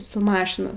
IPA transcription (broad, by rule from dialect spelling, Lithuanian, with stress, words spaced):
sʊ ˈmɑːʃʲɪnɐ